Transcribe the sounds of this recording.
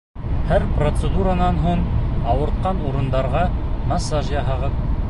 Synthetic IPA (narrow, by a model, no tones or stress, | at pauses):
hæɾprot̪səd̪uɾɑnɑnɦuɴɑwɤ̆ɾt̪̚qɑnuɾɤ̆nd̪ɑɾʁɑmɑsːɑʒjɑɦɑʁɤp̚